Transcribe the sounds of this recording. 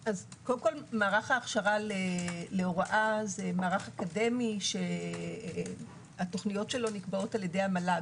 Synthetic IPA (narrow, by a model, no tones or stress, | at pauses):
azkodemko̞lmaːʁaχaːχʃaʁaleleoʁaʔazemaːʁaχakade̞miʃe̞ | ato̞χnijo̞tʃelo̞nikbao̞taljede̞jhamala